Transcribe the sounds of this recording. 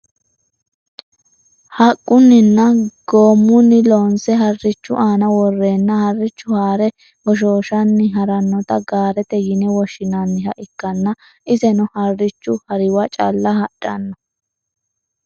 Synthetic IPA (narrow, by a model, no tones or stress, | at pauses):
hɐkʼːʊnːɪnːɐɡ̥oːmːʊnːɪloːnsɛɦɐrːɪt͡ʃːʊʔaːnɐwɔrːeːnːɐhɐrːɪt͡ʃːʊhaːɾɛ | hɔʃ̬oːʃɐnːɪɦɐɾɐnːɔt̪ɐɡaːɾɛt̪ɛjɪnɛwɔʃɪnɐnːɪhɐʔɪkːɐnːɐ | ʔɪzɛnʊhɐrːɪt͡ʃːʊhɐɾɪwɐt͡ʃʼɐ̰lːɐhɐᶑɐnːɔ